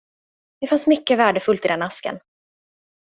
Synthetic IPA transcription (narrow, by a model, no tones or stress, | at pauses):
d̪̥ɛfansmʏkːəvæːɖəfɵlt̪ɪd̪ɛnaskə̰n